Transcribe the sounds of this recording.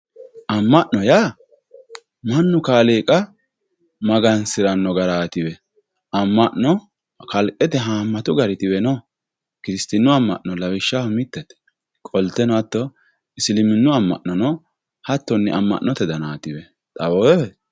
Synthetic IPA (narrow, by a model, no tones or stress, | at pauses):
ʔɐmːɐʔnɔjaː | mɐnːʊkaːleːkʼɐ | mɐɡɐnsɪɾɐnːɔɡɐɾaːt̪ɪwɛ | ɐmːɐʔnɔ | kɐlkʼːɛt̪ɛɦaːmːɐt̪ʊɡɐɾɪt̪ɪwɛnɔ | kɪɾɪst̪ɪnːʊɐmːɐ̰ʔnɔlɐwɪʃːahʊmɪt̪ːɛt̪ːɛ̥ | kʼɔlt̪ːɛnɔɐt̪ːɔ | ɪsɪlɪmɪnːʊɐmːɐ̰ʔnːɔnɔ | hɐt̪ːɔnːɛ̰ʔɐmːɐ̰ʔnɔt̪ɛd̪ɐnaːt̪ɪwɛ | t̪ʼɐwɔ